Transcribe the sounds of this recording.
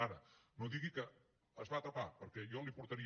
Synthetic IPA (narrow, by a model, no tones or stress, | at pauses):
aɾənoðiɣikəː | zβaːt̪ɾɐpapəɾkɛjɔlipuɾt̪əɾi